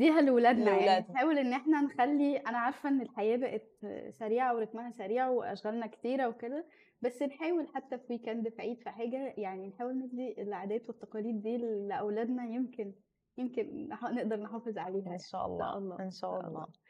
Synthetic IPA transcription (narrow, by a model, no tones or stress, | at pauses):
d̪iːɦælewlæːd̪næjaæːħæːwelʔenːʔeħnænexælːiʔænæʕɑɾˤfʔenːelħajæːbæʔet̪̚sæɾiːʕaweɾˤɑkmæhæsæɾiːʕaweʔæ̰ʃɣælnækt̪iːɾæweked̪æ | bæsːenħæːwelħat̪ːæfwiːkæːnd̪efʕiːd̪fiħaːɡæjaʕninħaːwelneb̚d̪ielːʕad̪æːt̪wet̪ːɑqɑliːd̪ːiːllʔæwlæːd̪næjemken | jemkenɑneʔd̪ɑɾˤnħɑːfezˤʕaleːɦænʃæ̰ːʔɑ̰lːæ̰ʔɑlˤːɑ̰ʔenʃæːʔɑ̰lːɑ̰ː